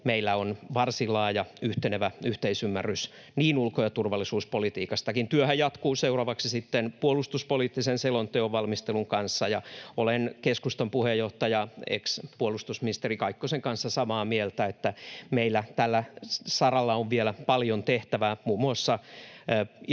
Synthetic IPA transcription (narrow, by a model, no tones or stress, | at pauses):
meilːæonʋɑrsilɑːjɑyht̪eneʋæyht̪eisymːærys | niːnulkojɑt̪urʋɑlːˑisuːspolit̪iːkɑst̪ɑkint̪yøhæjjɑt̪kuːseurɑʋɑksisit̪ːenpuolust̪uspoliːt̪ːisenselont̪øoʋʋɑlmist̪eluŋkɑnsːɑjɑolenkeskust̪ɑmpuhejːoht̪ɑjɑḛkspuolust̪usminist̪erikɑikːoseŋkɑnsːɑsɑmɑːmielt̪æet̪ːæmeilːæt̪ælːæsɑrɑlːɑoʋʋielæpɑljont̪eht̪æʋæmuːmːuɑsːɑ